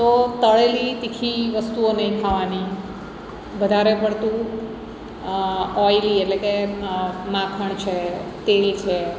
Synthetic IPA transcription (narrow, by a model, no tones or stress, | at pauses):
t̪ot̪əɭelit̪ikʰiʋəst̪uonəɦĩkʰaʋani | ʋəd̪ʱaɾepəɽt̪ũ | ɔjlietleke | mãkʰəɳ̃t͡ʃʰet̪elt͡ʃʰe